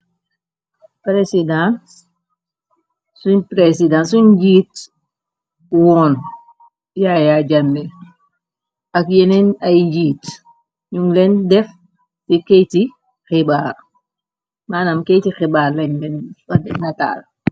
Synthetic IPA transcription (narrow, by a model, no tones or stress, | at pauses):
pɾesidã | suɲpɾesidãːnsuɲd͡ʒiːt | wɔːn | jajaɟɐnːɛ | ɐkjeninɐjd͡ʒiːt | ɲuŋlɛndɛf | tikɛjti | xibaːr | maːnamkɛjtixibaːɾlɛɲlɛnfɐdɛnɐta̰ːl